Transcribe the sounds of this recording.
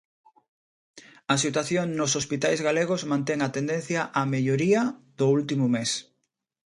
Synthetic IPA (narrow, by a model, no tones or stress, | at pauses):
ɐsit̪waθjoŋnosospit̪ajzɣaleɣ̞ʊzmãnt̪eŋat̪end̪ẽn̟θjɐʔameʎoɾiɐðʊult̪imʊmes